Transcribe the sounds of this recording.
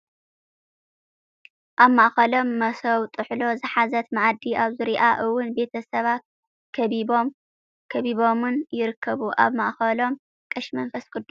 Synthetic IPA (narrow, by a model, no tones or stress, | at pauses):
ʔaβmaʔxɐlo̞mːɐsɐwt̪ʼɨħlo̞zɨħazɐt̪maʕad̪iʔaβzɨɾiʔaʔɨwːʊnbe̞t̪ʰɐsɐβat̪̚ | kʰɐβibom | kʰɐβiβo̞mɨnjɪɾɨkʰːɐβuʔa̰βmaʔxɐlo̞m | kʼɨʃmɐnfɐskʼɨd̪ːu